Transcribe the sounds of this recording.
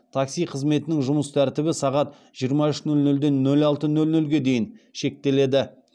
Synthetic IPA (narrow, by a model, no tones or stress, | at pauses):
t̪ʰɑksijqʰəzme̞t̪ɪnɪŋʒʊməst̪ʰæɾt̪ɪbɪsɑʁɑt̪ | ʒ̥ijəɾmɑʏʃnɵlnɵld̪e̞nːɵlɑlˠt̪ənɵlnɵlɡʲe̞d̪e̞jɪnʃe̞k̚t̪e̞le̞d̪ɪ